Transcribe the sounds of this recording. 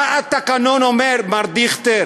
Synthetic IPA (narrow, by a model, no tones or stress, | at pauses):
at̪akanonomeɾmaɾd̪iχt̪e